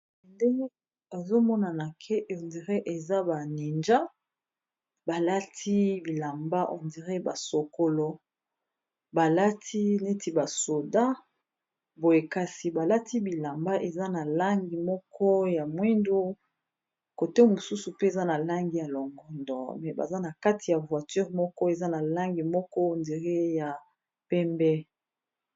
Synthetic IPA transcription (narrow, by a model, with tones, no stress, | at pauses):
nde˦ŋɡe˦ | e˨zo˦mɔ˦na˨na˨kʰe˦ʔo˨ndi˨ʁe˦ʔe˨za˦ba˨ni˨nd͡ʒa˦ | ba˨la˦tʰi˦bi˨la˨mba˦ʔo˨ndi˨ʁe˦ba˨so˨ko˨lo˨ | ba˨la˦tʰi˦ne˦tʰi˨ba˨so˨da˦ | bo˨e˨ka˦si˨ba˨la˦tʰi˦bi˨la˨mba˦ʔe˨za˦na˨la˦ŋɡi˨mɔ˦kɔ˦ja˨mwi˦ndo˦ | ko˨te˦mo˨su˦su˨pe˦e˨za˦na˨la˦ŋɡi˨ja˨lo˨ŋɡɔ˦ndɔ̰˨mɛ˨ba̰˨za˦na˨ka˦ti˨ja˨vwa˨ty˦ʁmɔ˦kɔ˦e˨za˦na˨la˦ŋɡi˨mɔ˦kɔ˦o˨ndi˨ʁe˦ja˨ | pɛ˦mbɛ˦